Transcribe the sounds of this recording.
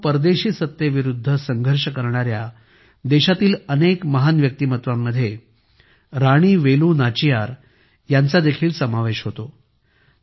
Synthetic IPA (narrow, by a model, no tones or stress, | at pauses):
pəɾd̪eɕiːsət̪jəʋiɾud̪ʱːəsəŋɡʱəɾʂəkəɾɳaɾja | d̪eɕat̪iːlənekməɦanʋjək̚t̪iːmət̪ʋamːəd̪ʱːje | ɾaɽ̃iːʋelũːnat͡ɕijaɾ | jant͡sad̪ekʰiːlsəmaʋeɕɦot̪o